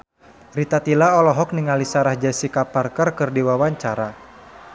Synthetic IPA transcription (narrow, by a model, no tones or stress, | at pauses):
rit̪at̪ilaɔlɔɦɔk̚niŋalisaɾahd͡ʒasikaparkərkɨrdiwawaɲt͡ʃaɾa